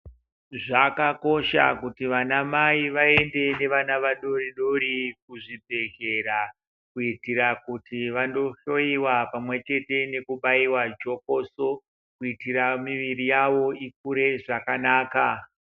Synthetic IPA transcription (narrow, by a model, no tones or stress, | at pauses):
ʐakako̞ʃa̰kutiʋanamaiʋae̞nde̞ne̞ʋanaʋaɗo̞riɗoɾik̚uʐibʱe̞ɣe̞ɾa | kuitiɾakutiʋando̞ʃo̞iwapamwe̞t͡ʃe̞te̞ne̞kuɓaiwad͡ʒo̞koso̞ | kuitiɾamiʋirijaʋo̞ik̚uɾe̞ʐakanaːka